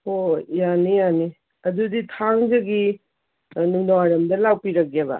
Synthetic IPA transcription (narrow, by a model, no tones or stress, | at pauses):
ojanijani | ɐduditʰaŋd͡ʒɐɡi | nunawaɾɐmdɐlawpiɾɐkeβɐ̰